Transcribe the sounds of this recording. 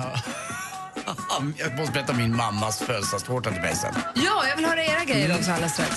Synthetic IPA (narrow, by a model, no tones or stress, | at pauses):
ɑ | jɑɡ̚mɔst̪əbɛɾɛt̪ːamɪnmamːasfœːlsast̪hoːʈɛnt̪ɪbɛ̰ɪsə̰njɑːjɑvɪlhœːɾaeːɾaɡɾɛjːəɾɔmt̪ʰalːast̪ɾa̰ks